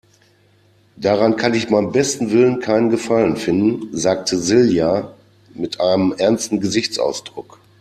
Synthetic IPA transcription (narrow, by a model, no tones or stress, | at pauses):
d̥aʁankʰanɪçmaɪnəmbɛstn̩vɪlənkʰaɪnənɡəfalənfɪndn̩zaːk̚tʰəzɪlja | mɪtʔaɪnəmʔɛɐnstn̩ɡəzɪçt͡sʔa̰ʊsd̥ʁʊk